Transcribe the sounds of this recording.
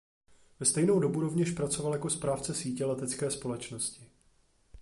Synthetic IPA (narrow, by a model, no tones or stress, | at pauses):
vɛst̪ɛjno̞wdo̞buɾo̞vɲɛʃpɾat͡so̞valjako̞spɾaːft͡sɛsiːcɛlɛt̪ɛt͡skɛːspo̞lɛt͡ʃno̞scɪ